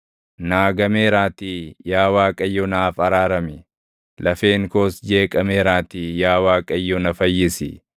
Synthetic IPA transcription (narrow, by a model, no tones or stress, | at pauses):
naːɡɐmeːɾaːt̪ijaːwaːkʼɐjːɔnaːfɐɾaːɾɐmɪ | lɐfe̞ːŋkoːsd͡ʒe̞ːkʼɐmeːɾaːt̪ijaːwaːkʼɐjːɔnɐfɐjːɪsɪ̰